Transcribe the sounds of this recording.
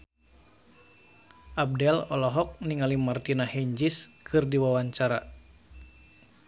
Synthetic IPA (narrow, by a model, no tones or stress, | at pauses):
ʔab̚dɛlɔlɔɦɔk̚niŋalimart̪inahɛɲd͡ʒiskʰɨrdiwawaɲt͡ʃaɾa